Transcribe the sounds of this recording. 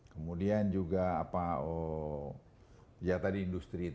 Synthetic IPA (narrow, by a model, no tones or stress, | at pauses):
kəmudiand͡ʒuɡaːpao | jat̪adiːndust̪ɾi